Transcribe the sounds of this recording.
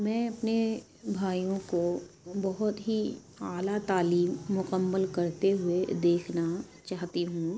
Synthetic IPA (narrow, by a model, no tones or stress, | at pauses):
mɛ̃ːɐpne | bʱaːijõkobɐɦʊt̪ɦi | aːlat̪aːliːmːʊqəmːəlkɐɾt̪eɦʊed̪eːkʰna | t͡ʃaːɦt̪iɦũː